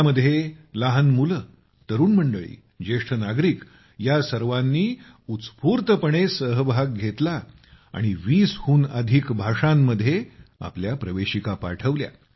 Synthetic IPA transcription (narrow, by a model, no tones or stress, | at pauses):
məd̪ʱːjelaɦənmulə | t̪əɾuːnm̤əɳɖəɭḭː | d͡ʑeʂʈʰənaɡɾiːk | jasəɾʋanːiː | ut̪t͡spuːɾt̪əpəɳ̃esəɦbʱaɡ̚ɡʱet̪la | a̰ɽ̃iʋiːshuːnəd̪ʱikbʱaʂamːəd̪ʱːjea̰pljapɾəʋeɕikapa̰ʈʰəʋlja̰